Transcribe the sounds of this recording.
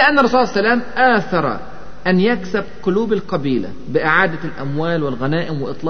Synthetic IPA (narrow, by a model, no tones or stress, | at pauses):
lɪʔanːɾˤːɑsuːʕsːalaːmʔaːθɑɾˤɑ̰ | ʔanjaksɪbqʊluːbalqɑbiːla̰ | bɪʔɪʕaːd̪alʔa̰mwaːlwɪlɣanaːʔɪmwɪʔɨt̪ˤlɑː